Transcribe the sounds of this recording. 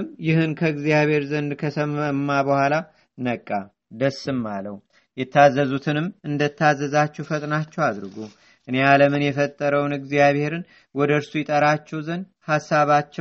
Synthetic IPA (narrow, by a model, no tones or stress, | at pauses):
ɨmjɪhɨnkʰəɨɡzijaβhe̞ɾzənd̪kʰəsəməmːabəhʷala | nəkʼːa | d̪əsɨmːaləw | jɛt̪ʰːazːəzut̪ʰɨnɨmɨnd̪ət̪ʰːazːəzat͡ʃːɛwfət̪ʼnat͡ʃːɛwad̪ɾɨɡu | ʔɨnealəmɨnjɛfət̪ʼːəɾəwnɨɡzijaβhe̞ɾɨn | wɔd̪əɾsujɛt̪ʼəɾat͡ʃːɛwzənd̪ | hasːaβat͡ʃːɛ